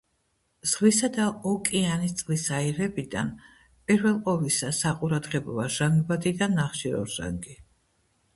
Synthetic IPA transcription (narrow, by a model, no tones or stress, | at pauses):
z̥ʁwisad̪aɔkʼianist̪sʼlisaiɾɛbid̪a̰n | pʼiɾvɛlˠqʼɔvisasaqʼuɾad̪ʁɛbɔvaʒaŋɡbad̪id̪anːaχʃiɾɔ̰ʒa̰ŋɡi